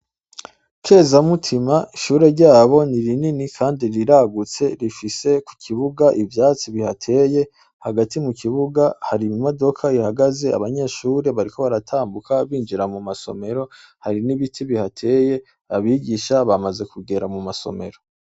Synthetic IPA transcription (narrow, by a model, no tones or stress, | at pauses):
kʰe̞ːzamutʰimaiʃuːɾe̞ɾɟaːβo̞niɾininikʰaːndiɾiɾaɡut͡se̞ɾifise̞ku̥kʰiβuɡaʔivjaːt͡siβihatʰe̞ːje̞ | haɡatimukiβuɡahaɾimo̞do̞kʰaihaɡaze̞a̰βaɲe̞ʃuːɾe̞βaɾiko̞βaɾatʰaːmbukaβiːnd͡ʒiɾamumaso̞̰me̞ɾo̞ | haɾiniβitʰiβihatʰe̞ːje̞ | aβiɡiʃaβamaze̞kuɡe̞ɾamumaso̞̰me̞̰ɾo̞